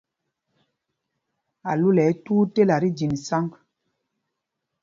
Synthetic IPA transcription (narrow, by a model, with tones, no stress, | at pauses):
a˨lu˦lɛ˨˦tuː˦te˦la˨ɾi˦d͡ʒi˨n˨sa˦ŋk